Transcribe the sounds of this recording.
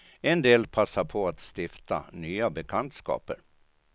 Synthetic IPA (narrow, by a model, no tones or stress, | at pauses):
ɛnd̪eːlpʰasːapʰɔat̪st̪ɪft̪a̰nyːabɛkʰant̪skɑ̰ːpəɾ